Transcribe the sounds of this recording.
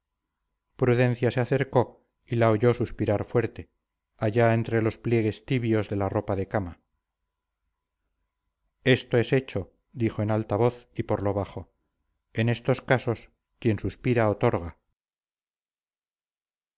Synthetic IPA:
pɾuðe̞n̟θjase̞aθe̞ɾko̞ | ilaoʝo̞suspiɾaɾfwe̞ɾt̪e̞ | aʝae̞nt̪ɾe̞lo̞splje̞ɣ̞e̞st̪iβjo̞zðe̞laro̞paðekama | e̞st̪o̞e̞se̞t͡ʃo | d̪ixoenalt̪aβo̞θipo̞ɾlo̞β̞aχo̞ | e̞ne̞st̪o̞skaso̞s | kje̞nsuspiɾaot̪o̞ɾɣa

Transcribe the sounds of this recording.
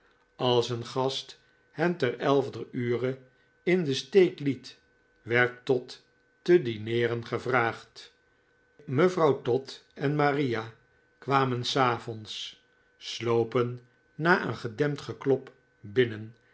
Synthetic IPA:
ɑlˠsənχɑst | hɛmtɛrɛlˠvdəyːrə | ɪndəstejklit | ʋɛɹtːɔtː | ədinɪːrənχəvraːχt | məvrɑwtɔtɛnmarija | kʋaːmənsaːvɔnsː | lowpənː | aːʔə̰nχədɛmtχəklɔp | bɪnən

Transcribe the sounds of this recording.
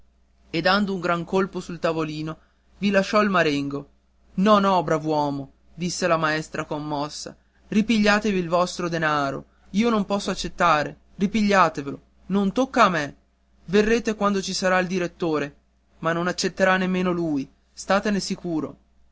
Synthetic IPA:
ed̪ːand̪ouŋɡɾaŋkolposult̪avoliːno | vilaʃːɔilmaɾeŋɡo | nɔnɔbɾavwɔːmo | d̪isːelamaɛst̪ɾakomːɔsːa̰ | ripiʎːaːt̪eviːlvɔst̪ɾod̪enaːɾo̰ | iːonompɔsːoat͡ʃːet̪ːaːɾe | ripiʎːaːt̪evelo | nont̪okːaːme | verːeːt̪ekwand̪ot͡ʃisaɾaild̪iɾet̪ːoːɾe | manːonat͡ʃːet̪ːeɾanːemːeːnoluːj | st̪aːt̪enesikuːɾo̰

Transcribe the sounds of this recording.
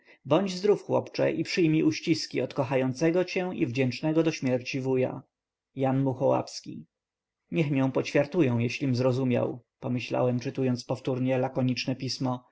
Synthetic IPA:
bɔɲd͡ʑzd̪ɾufxwɔ̰pt͡ʂɛ̰ʔipʂɘjmʲiʔuɕt͡ɕiskʲiɔt̪kɔxajɔnt̪sɛɡɔt͡ɕɛ̃ḭvd͡ʑɛnt͡ʂnɛɡɔd̪ɔɕmʲjɛɾt͡ɕivuja̰ | janmuxɔwa̰pskʲḭ | ɲɛxmʲjɛ̃w̃pɔt͡ɕfʲjaɾt̪ujɛ̃w̃jɛɕlʲimzɾɔzumʲja̰wpɔmɘɕla̰wɛmt͡ʂɘt̪ujɔnt̪spɔft̪uɾɲɛlakɔɲit͡ʂnɛpʲismɔ

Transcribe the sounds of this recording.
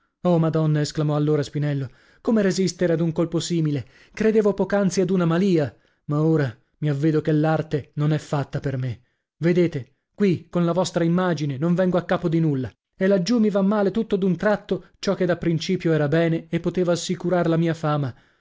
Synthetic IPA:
omad̪ɔnːaesklamɔalːoːɾaspinɛlːo | komeɾezist̪eɾead̪uŋkolposiːmile | kɾed̪eːvopɔːkant̪siad̪unamaliːa | maoːɾa | miavːeːd̪okelːart̪enonɛfːat̪ːaperme | ved̪eːt̪e | kwikonlavɔst̪ɾaimːaːd͡ʒinenoɱvɛŋɡoakːaːpod̪inulːa | elːad͡ʒːumːivamːaːlet̪ut̪ːod̪unt̪ɾat̪ːot͡ʃɔkːed̪apːɾint͡ʃiːpjoɛːɾabɛːneepːot̪eːvaːsːikuɾaɾelamiːafaːma

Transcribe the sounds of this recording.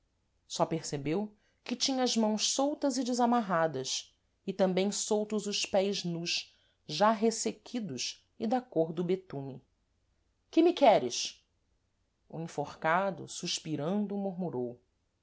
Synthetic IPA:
sɔpeɾsebew | kɪt͡ʃĩɲɐɐzmɐ̃w̃ʃsowt̪ɐzɪd͡ʒɪzamaɦad̪ɐs | ɪt̪ɐ̃mbẽj̃sowt̪ʊzʊʃpɛjznuʃ | ʒaɦesekʲʰid̪ʊʃ | ɪd̪akoɾd̪ʊbet̪ũmɪ | kɪmɪkɛɾɪʃ | ʊĩfoχkad̪ʊ̰suʃpiɾɐ̃nd̪ʊmoɦmuɾow

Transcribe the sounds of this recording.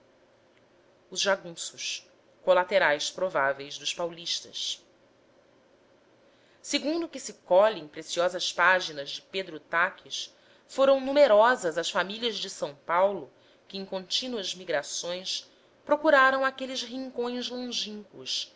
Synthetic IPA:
ʊzʒaɡũsʊʃ | kolat̪eɾajspɾovavejzd̪ʊʃpawliʃt̪ɐ̰s | seɡũnd̪ʊkɪsɪkɔlẽpɾesiɔzɐspaʒinɐzd͡ʒɪped̪ɾʊt̪akʰis | foɾɐ̃w̃numeɾɔzɐzɐsfamiliɐzd͡ʒɪsɐ̃w̃pawlʊ | kɪẽj̃kõnt͡ʃinuɐzmiɡɾasõj̃s | pɾokuɾaɾɐ̃w̃akelɪzɦĩŋkõj̃zlõʒĩŋkʊʃ

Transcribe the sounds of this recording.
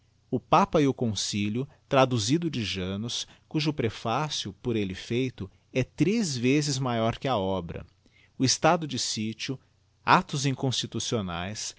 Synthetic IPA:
ʊpapɐɪʊkõsiʎʊ | t̪ɾad̪uzid̪ʊd͡ʒɪʒẽnʊskuʒʊpɾefasjʊpoɾelɪfejt̪ʊ | ɛt̪ɾezvezɪzmajɔɾkɪɐɔbɾɐ̰ | ʊɪst̪ad̪ʊd͡ʒɪsit͡ʃiʊ | at̪ʊzĩŋkõst͡ʃit̪usionajs

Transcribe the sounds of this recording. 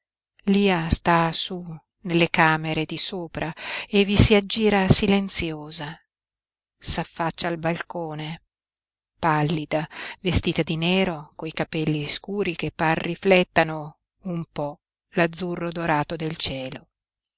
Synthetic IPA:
liːast̪asu | nelːekaːmeɾed̪isoːpɾʔaevːisiad͡ʒːiːɾasilent̪sjoːza | safːat͡ʃːaːlbalkoːne | palːid̪avest̪iːt̪ad̪ineːɾokojkapɛlːiskuːɾik̟epːarːiflɛt̪ːano | umpɔ | lad̪zːurːod̪oɾaːt̪od̪elt͡ʃɛːlo

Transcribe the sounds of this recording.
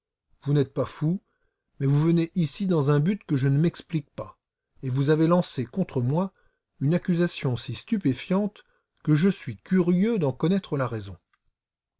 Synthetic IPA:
vunɛt̪̚pafu | mɛvuvəneʔisid̪ɑ̃zɛ̃byt̪kəʒənəmɛksplik̚pa | evuzavelɑ̃sekɔ̃t̪χəmwa | ynakʲyzasjɔ̃sist̪ypefjɑ̃t̪ | kəʒəsɥikʲyʁjød̪ɑ̃kɔnɛt̪χəlaʁezɔ̃

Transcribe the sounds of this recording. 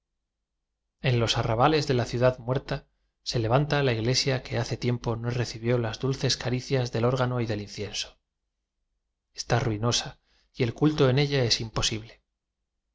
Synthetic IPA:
e̞nlo̞saraβale̞zðe̞laθjuðaðmwe̞ɾt̪a | se̞le̞β̞ant̪alaiɣle̞sjake̞aθe̞t̪je̞mpo̞no̞re̞θiβjo̞lazðulθe̞skaɾiθjazðe̞lo̞ɾɣ̞ano̞iðe̞linθje̞nso̥ | e̥st̪aruino̞sa | ie̞lkult̪o̞e̞ne̞ʎae̞simpo̞siβle̞

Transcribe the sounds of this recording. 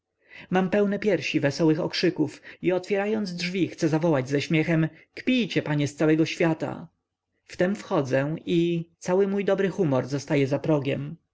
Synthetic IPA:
mampɛwnɛpʲjɛɾɕivɛsɔwɘxɔ̰kʂɘkufiɔt̪fʲjɛɾajɔnd̪zdʐvʲixt̪sɛzavɔwad͡ʑzɛɕmʲjɛxɛm | kpʲijt͡ɕɛpaɲɛst̪sawɛɡɔɕfʲjat̪a̰ | ft̪ɛmfxɔd̪zɛit̪sawɘmujd̪ɔbɾɘxumɔɾzɔst̪ajɛzapɾɔɡʲjɛm

